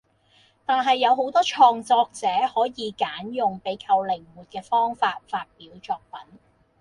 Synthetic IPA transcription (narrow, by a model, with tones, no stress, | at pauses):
t̪aː˨˩nɦɐ˨jːɐ˨˧wɦo˨˥wt̪ɔː˥t͡ʃʰɔː˧ŋt͡sɔː˧k̚t͡sɛː˨˥hɔː˨˥jiː˨˧kaː˨˥njʊ˨ŋpe˨˥jkʰɐ˧wlɪ˨˩ŋmuː˨˩t̚kɛː˧fɔː˥ŋfaː˧t̚faː˧t̚piː˨˥wt͡sɔː˧k̚pɐ˨˥n